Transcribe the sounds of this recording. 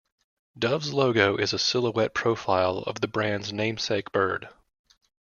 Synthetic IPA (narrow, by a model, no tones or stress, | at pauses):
d̥ʌvzloʊɡoʊʔɨzɨsɪlˠəwɛt̚pʰɹ̥oʊfaɪlˠʌ̰vðɨbɹæ̃ndznẽɪ̃mseɪk̚b̥ɜ̰˞d̥